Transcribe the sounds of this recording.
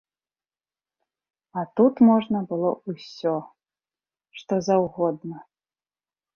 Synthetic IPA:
ɐt̪ut̪mɔʐnɐbɨlˠɔusʲɔ | ʂt̪ɔzɐwɣɔd̪nɐ

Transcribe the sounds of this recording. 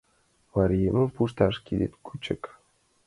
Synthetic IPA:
vɑɾʲjemʲə̆mpuʃt̪ɑʂkʲid̪ʲḛt̪kʰut͡ɕə̰̆k

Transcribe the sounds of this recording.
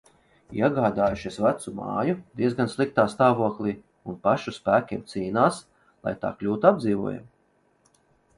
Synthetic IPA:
iɛɡaːd̪aːjuʃisvat̪sumɑ̰ːjud̪iɛzɡanslˠik̚t̪aːst̪aːvuɔklˠiː | unpaʃuspæːkʲiɛmt̪siːnaːs | lˠa̰jt̪a̰ːklʲuːt̪uab̪d̪ziːvuɔja̰m

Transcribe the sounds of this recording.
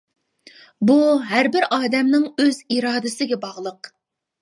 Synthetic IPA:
buɦæɾbɪɾʔɑːd̪ɛmnɪŋøziɾɑːd̪ɪsɪɡʲɛbɑʁlˠəq

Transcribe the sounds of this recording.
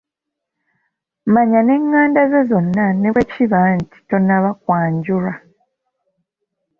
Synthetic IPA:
maɲane̞ŋːaːndazezo̞nːaneβeciβanti̥to̞naβak̚waːɲɟuɾa

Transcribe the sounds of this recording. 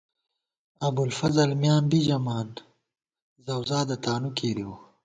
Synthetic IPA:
ɐbulfɐzɐlmjaːmbid͡ʒɐmaːn | zɐwzaːd̪ɐt̪aːnukʰeːɾiwu

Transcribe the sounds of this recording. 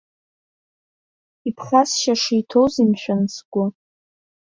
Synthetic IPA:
ipʰχʲasʃaʂijtʰowzimʃʷᶣansɡʷʊ

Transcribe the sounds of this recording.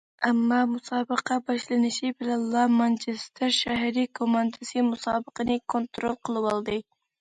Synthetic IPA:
æmːɑmʊsɑːbɨqʰɑbɑʃlɪnɪʃɪbɪlænlˠɑmɑnt͡ʃɪst̪ʰɪɾʃæɦɾikʰomɑnd̪ɨsɨmusɑːbɨqənɪkʰont̪ɾolˠqʰəlˠɨwɑlˠd̪ɨ

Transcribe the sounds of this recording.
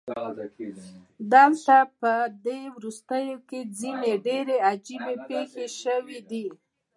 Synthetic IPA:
d̪əlt̪apəd̪ewɾust̪əjoked͡zineɖeɾead͡ʒibepexeʃəwid̪i

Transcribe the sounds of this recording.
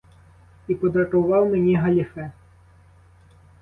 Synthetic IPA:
ipɔd̪ɾɐt̪uvɑwmʲɛnʲɛɦɐlʲifɛ

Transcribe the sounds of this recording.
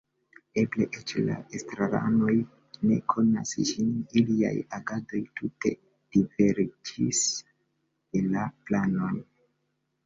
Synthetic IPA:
e̞ble̞̰ʔet͡ʃla̰ʔestɾaɾa̰no̞j | ne̞̰kʰo̞na̰sʒinilia̰jaɡado̞jtute̞̰ | d̥ive̞ɾd͡ʒis | elaplano̞n

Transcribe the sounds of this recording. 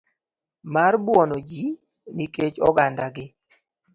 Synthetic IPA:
marbwɔnod͡ʒi | niket͡ʃɔ̰ɡandaɡɪ

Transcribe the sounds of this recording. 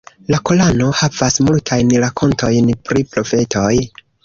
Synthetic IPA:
lako̞lano̞havasmultʰajnɾakʰo̞ntʰo̞jnpɾipɾo̞fe̞tʰo̞j

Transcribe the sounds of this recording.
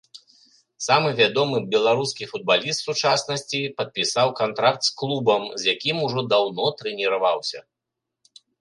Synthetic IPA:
samɨvʲad̪ɔmɨbʲɛlˠaɾuskʲifud̪̚balʲist̪sut͡ʂasnɐsʲt͡sʲipɐt̪̚pʲisawkant̪ɾak̚t̪sklˠubɐmzʲjakʲimuʐɔd̪awnɔt̪ɾɛnʲiɾavawsʲɐ̰

